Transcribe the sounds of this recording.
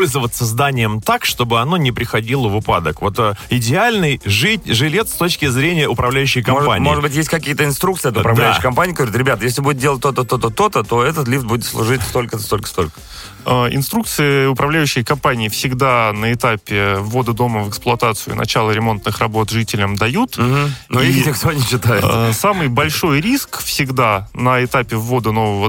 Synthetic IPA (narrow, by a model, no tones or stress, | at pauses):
olʲzəvət̪səzd̪anʲɪjəmt̪akʂt̪o̞bɨɐno̞nʲɪpɾʲɪxɐdʲilˠəvɨpa̰d̪əkvo̞t̪ɪdʲɪalʲnɨjʐɨtʲʐɨlʲe̞t̪st̪o̞t͡ɕkʲɪzɾʲenʲɪjəʊpɾɐvlʲæjʉɕːɪjkɐmoʐpa̰nʲmɪoɨd̪bɨtʲjesʲt̚ʲkɐkʲijət̪əɪnst̪ɾukt̪sɨɪɛt̪ʊpɾɐvlɛjːɕɪkɐmpanʲɪiɡəvɐɾʲut̪ɾʲɪbʲat̪əjes̬ʲlʲɪbudɪt̪dʲelˠət̚ʲt̪ːot̪ət̪ot̪ət̪ot̪ət̪o̞ɛt̪ət̪lʲift̪̚budʲɪt̪slˠʊ̰ʐɨtʲst̪o̞lʲkəst̪olʲkə̥st̪olʲkə̥ | əɪ̰nst̪ɾuk̚t̪sɨjɪʊpɾɐvlʲæjʉɕːɪjəkɐmpanʲɪːfsʲɪɡd̪anəɪt̪apʲɪvːo̞d̪əd̪o̞məvəksplˠʊɐt̪at̪sɨʊ̰nʔɐ̰t͡ɕalˠəɾʲɪmo̞nt̪nɨxrɐbo̞t̪ʐɨtʲɪlʲəmd̪ɐjut̪̩nonʲɪkt̪onʲɪɕːɪt̪ajɪ̰samɨjbɐlʲʂo̞jɾʲiskfsʲɪɡd̪anəɪt̪apʲɪvːo̞d̪əno̞vəvə